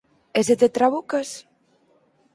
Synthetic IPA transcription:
ezet̪et̪ɾaβukɐs

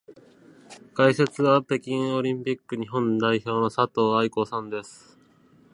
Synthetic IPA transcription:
kaise̞t͡sɨβat̪e̞kʲĩo̞ɾʲĩmpʲikːɯ̟ɲ̟iɦõ̞nd̪aiço̞ːno̞sat̪o̞ːaiko̞sãnd̪e̞sɨ̥

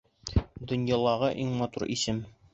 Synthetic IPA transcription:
d̪ŏnjɑlˠɑʁɤʔiŋmɒt̪uɾʔisɘm

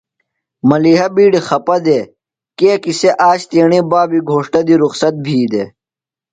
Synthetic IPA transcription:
mɐliːɦɐbiːɖixɐpɐd̪e | keːkiseʔaːɕt̪eːɳibaːbiɡʱoːʂʈɐd̪iɾuxsɐt̪̚bʱiːd̪e

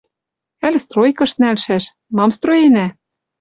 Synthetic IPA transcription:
ælʲst̪rojkɤ̆ʃnælʃæʃ | mɑmst̪rojenæ

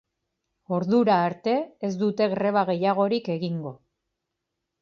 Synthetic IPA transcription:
o̞ɾðuɾaːɾt̪e̞ːzd̪ut̪e̞ɣɾe̞βaɣe̞jaɣ̞o̞ɾike̞ɣiŋɡo̞

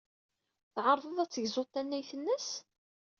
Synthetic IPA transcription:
θʕəɾˤðˤəðˤæt͡sːəʝzˤot̪ːænːæjθənːəs

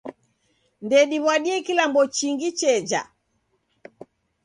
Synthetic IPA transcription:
ndɛɗiβwaɗiɛkilambɔt͡ʃiŋɡit͡ʃɛd͡ʒa̰

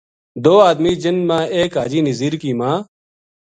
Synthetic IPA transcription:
d̪oːaːd̪miːd͡ʒɪnmãːeːkaːd͡ʒiːnəziːɾkiːmãː

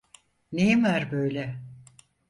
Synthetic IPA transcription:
nejimæɾbøjlʲɛ

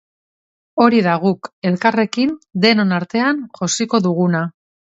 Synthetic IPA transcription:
o̞ɾiðaɣ̞uke̞lkare̞kind̪e̞nonaɾt̪e̞anʝosiko̞ðuɣuna

